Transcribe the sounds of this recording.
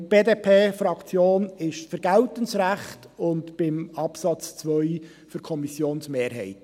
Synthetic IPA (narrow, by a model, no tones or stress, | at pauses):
b̥eːdeːpʰeːfɾɑkt͡sjoːnɪʃfəɾɡ̥æltənsɾæχtʊntb̥ɪmɑpsɑt͡st͡svœʏ | fʏɾkʰɔmisjoːnsmeːɾɦɛ̰ɪt